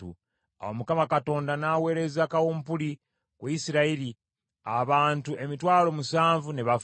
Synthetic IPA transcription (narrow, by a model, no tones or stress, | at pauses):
ṵ | a̰womukamakato̞ːndanaːwe̞ːɾe̞zakawuːmpuli | kwuisiɾaiɾi | aβaːntuʔe̞mitwaːlo̞musaːɱvune̞βaf